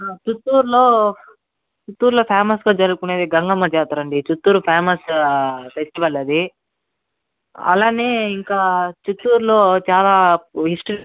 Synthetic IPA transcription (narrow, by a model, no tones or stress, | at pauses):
t͡ʃut̪ːuːɾlo̞ː | t͡ʃut̪ːuːɾlo̞ːpʰaːmɐsɡaːd͡ʒɐɾuɡkuneːd̪iɡɐŋɡɐmːɐd͡ʒɛːt̪aːɾɐɳɖit͡ʃut̪ːuːɾupʰeːmɐsfesʈiʋɐlːeːd̪i | ɐ̰laːneːiŋkaːt͡ʃut̪ːuːɾlo̞ːt͡ʃaːlaːɦisʈɐɾ